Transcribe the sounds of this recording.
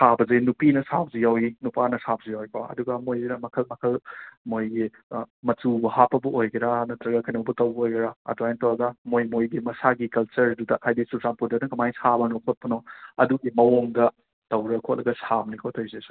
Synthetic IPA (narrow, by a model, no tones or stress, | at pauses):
sabɐzɐjnupinɐsab̚zijawinupanɐsab̚zijawjpaɐ̰duɡɐmojzinɐmɐkʰɐlmɐkʰɐlmojɡi | mɐtubɐhapːɐbɐʔojɡɐɾanɐtɾɐɡɐkʰɐjnɐwbɐtɐwbɐojɡɐɾaɐ̰duajntɐwɾɐɡɐmojmojɡimɐsaɡikɐlt͡ʃɐɾdudɐhajdisuzampudɐnɐkɐmajsabɐnɔkʰot̚pɐnɔɐduɡimɐwoŋɡɐ | tɐwɾɐkʰot̚lɐɡɐsabnikʰotʰojzesu̥